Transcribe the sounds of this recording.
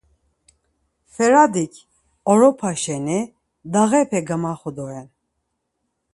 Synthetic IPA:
fɛɾad̪ikʰ | ɔɾɔpʰaʃɛni | d̪aɣɛpʰɛɡamaχud̪ɔɛn

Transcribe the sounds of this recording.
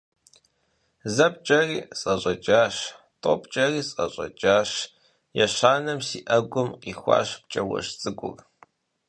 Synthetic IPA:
zɐp̚t͡ʃʼɐriːsʼɐɕʼɐt͡ʃʼaːɕ | tʼoːpt͡ʃʼɐriːsʼɐɕʼɐ̰t͡ʃʼaːɕ | jɛɕaːnɐmsiːʔɐɡʷʊmqiːxʷa̰ːɕp̚t͡ʃʼɐwɐ̰ʂt͡sʼɨkʷʼʊ̰r

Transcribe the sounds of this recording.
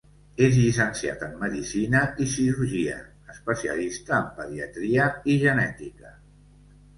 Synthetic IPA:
ezʎisənsia̰t̪əmːəðisinəisiɾuɾʒiə̰ː | spəsiə̰list̪əːmpəðiət̪ɾiəiʒənɛt̪ikə

